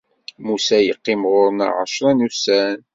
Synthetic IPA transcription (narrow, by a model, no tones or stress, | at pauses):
musæjəqːimʁʊɾna̰ʁə̰ʃɾænusæn